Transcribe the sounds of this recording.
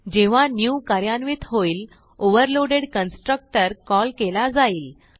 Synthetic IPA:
d͡ʑeʋ̤anjukaɾjanʋit̪ɦoiːl | oʋəɾloɽeɽkənsʈɾək̚ʈəɾkɔlkelad͡zaiːl

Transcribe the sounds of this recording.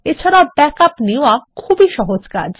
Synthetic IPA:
et͡ɕʰaɾabɛkapniakʰubiʃɔɦod͡ʑka̰d͡ʑ

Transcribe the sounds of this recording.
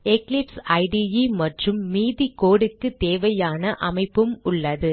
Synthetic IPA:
ɛklɪpsɐɪɖijimɐʈrɯmːiːðikoːɽɯkːɯt̪eːʋɐjaːnɐʔɐmɐɪpːɯmʊɭːɐðɯ

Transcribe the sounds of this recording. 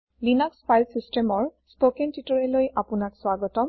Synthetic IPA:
linakspʰajlsistemɔɹspokentitɔɹelojʔapʊnakswaɡɔtɔm

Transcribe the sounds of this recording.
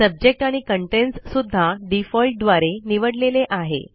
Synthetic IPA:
səb̚d͡ʑek̚ʈaɽ̃ikəɳʈenssud̪ʱːaɖifɔlʈ̚d̪ʋaɾeniʋəɽleleʔaɦḛ

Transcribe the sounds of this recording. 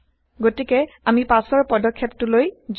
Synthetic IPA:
ɡotikɛamipasɔɹpɔdɔkʰːeptʊlojz

